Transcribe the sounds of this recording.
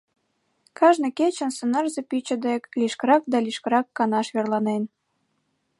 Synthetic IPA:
kɑʒneket͡ɕə̆nsə̆nɑrzĕpit͡ɕə̆d̪ekliʃkəɾɑk̚d̪ɑliʃkəɾɑkːɑnɑʃβerlɑnen

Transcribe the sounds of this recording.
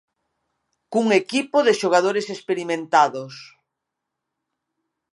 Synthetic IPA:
kuŋekipoðeʃoɣ̞aðoɾesespeɾimẽnt̪aðos

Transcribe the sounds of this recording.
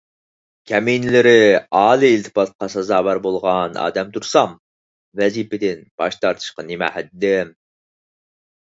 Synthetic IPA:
kʲʰɛmijnɪlɪɾɪɑːlˠiːlt̪ʰɨ̥pɑt̪̚qɑsɑzɑːwæɾbolˠʁɑnɑ̰ːd̪ɛmt̪ʰuɾsɑm | vɛzipɪd̪ɪnb̥ɑʃt̪ʰɑɾt̪ʰɨ̥ʃqɑnɪmæ̰hæt̪d̪ɪm

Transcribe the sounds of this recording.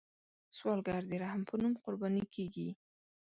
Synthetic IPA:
swɑlɡaɾd̪eɾahampʰənumqʊɾbɑnikʰeɡi

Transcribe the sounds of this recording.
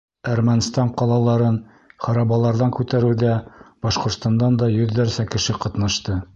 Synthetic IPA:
æɾmænst̪ɑɴqɑlˠɑlˠɑɾɤn | χɑɾɑbɑlˠɑɾðɑŋkʉt̪æɾʉðæb̥ɑʃqŏɾt̪st̪ɑnd̪ɑnd̪ɑjɵ̆ðːæɾsækɘ̆ʃɘqɑt̪nɑʃt̪ɤ

